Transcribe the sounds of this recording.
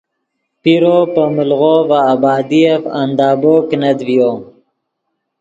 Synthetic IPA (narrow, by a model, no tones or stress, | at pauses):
piɾoːpəmulɣovaːbɑːd̪iefa̰nd̪ɑːboːknɐd̪vijoː